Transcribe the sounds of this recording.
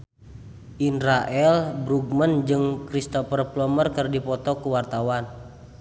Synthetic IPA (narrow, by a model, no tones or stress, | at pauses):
ʔinɾaʔɛlbɾuɡ̚mənd͡ʒɨŋkɾist̪ɔpərplɔmərkərdipɔt̪ɔkuwart̪awan